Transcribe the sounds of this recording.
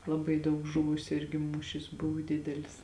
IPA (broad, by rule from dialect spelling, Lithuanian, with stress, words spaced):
lˠɐˈbɐɪ ˈdɐʊk ˈʒʊʋʊsʲʊ ˈɪrʲɡʲɪ ˈmuːʃʲɪs ˈbʊʋʊ ˈdʲɪdʲɛlʲɪs